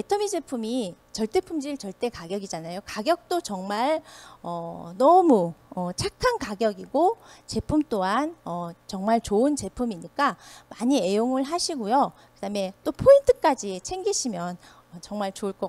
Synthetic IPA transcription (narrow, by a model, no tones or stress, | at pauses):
etʰʌmid͡ʑe̞pʰumi | t͡ɕʌɭt͈e̞pʰumd͡ʑiɭt͡ɕʌɭt͈e̞kaɡjʌɡid͡ʑanajokaɡjʌk̚t͈ot͡ɕʌŋmaɭʌnʌmuʌt͡ɕʰakʰankaɡjʌɡiɡot͡ɕe̞pʰumt͈oɦanʌt͡ɕʌŋmaɭt͡ɕoɯnt͡ɕe̞pʰumiɲik͈amaɲie̞joŋɯɭɦaɕʰiɡojo | kɯdame̞t͈opʰointʰɯ̥k͈ad͡ʑit͡ɕʰe̞ŋɡiɕʰimjʌn | ʌt͡ɕʌŋmaɭt͡ɕouɭk͈ʌ